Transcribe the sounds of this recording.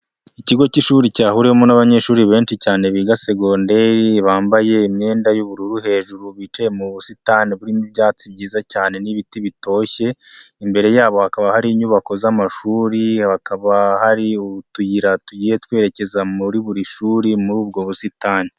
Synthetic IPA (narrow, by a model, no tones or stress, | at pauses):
iciɡo̞ciʃuːɾicaːhuɾeomonaβaɲe̞ːʃuːɾiβe̞ːnʃicaːne̞βiɡase̞ɡo̞ːnde̞βaːmbaje̞imɲeːndajuβuɾuɾuɦe̞ːʒuɾuβit͡ʃe̞muβusitaniβuɾimibjaːt͡sib̚ɟiːzacaːne̞niβitiβito̞ːçe̞imbe̞ɾe̞jaːβo̞hakaβahaɾiːɲuβako̞zamaʃuːɾihakaβahaɾiuβutujiɾatuɟije̞twe̞ːɾe̞ce̞zamuɾiβuɾiʃuːɾimuɾuːb̚ɡo̞βusitaːni